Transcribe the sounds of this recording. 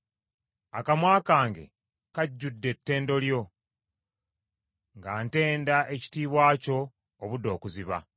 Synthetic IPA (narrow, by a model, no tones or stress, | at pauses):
akamwaːkaːŋɡe̞̰ | kaɟːudːe̞tːe̞ːndo̞ljo̞ | ŋɡaːnte̞ːndaʔe̞ci̥tiːβwaːco̞ː | βudo̞ːkuziβa̰